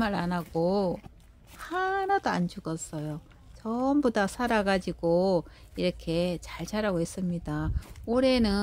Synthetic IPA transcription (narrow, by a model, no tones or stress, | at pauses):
maɾanaɡo | hanadoand͡ʑuɡʌs͈ʌjo | t͡ɕʌmbodasʰaɾaɡad͡ʑiɡ̥o | iɾʌkʰe̞t͡ɕaɭt͡ɕaɾaɡoɦes͈ɯmɲidaoɾe̞nɯ